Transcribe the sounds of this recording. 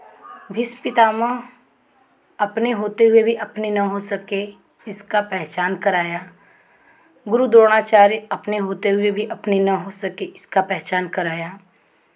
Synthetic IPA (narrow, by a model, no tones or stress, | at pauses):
bʱɪspɪt̪aːmə̃ | ɐpneɦoːt̪eɦʊebʱiʔɐpnenɐɦosɐke | ɪskapɛɦt͡ʃaːnkɐɾaːjaː | ɡʊɾud̪oːɽ̃aːt͡ʃaːɾjɐpneɦoːt̪eɦʊebʱiʔɐpnenɐɦosɐkeɪskapɛɦt͡ʃaːnkɐɾaːjaː